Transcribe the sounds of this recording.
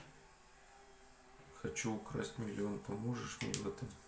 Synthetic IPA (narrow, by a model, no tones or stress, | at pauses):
xɐt͡ɕuːkɾasʲtʲmʲɪlʲɪonpɐmoʐəʂmʲḛɛ̰vɛt̪əm